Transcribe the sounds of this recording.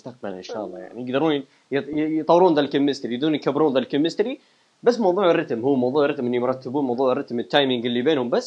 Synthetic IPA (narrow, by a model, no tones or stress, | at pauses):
ʊst̪aq̚balʔɪ̰nʃa̰ːʔɑlˤːɑ̰ːja̰ʕnijɪɡd̪ɑɾuːn | jt̪ˤɑwːɾuːnðalkɪmːɪst̪ɾiɡ̚d̪ɾuːnjkabɾuːnðalkɪmːɪst̪ɾi | basːmɑwðˤuːʕɪrːɑt̪mhʊːmɑwðˤuːʕɪrˤɑt̪mʔɪnːujɾˤɑt̪ːɪbuːnmɑwðˤuːʕɪrːɑt̪mɪt̪ːajmɪŋɡɪlːibeːnhʊmbasː